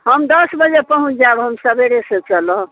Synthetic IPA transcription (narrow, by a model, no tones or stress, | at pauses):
ɦəmd̪əsbəd͡ʒepəɦũt͡ʃʰd͡ʒaebɦəmsəbeɾeset͡ʃələ̃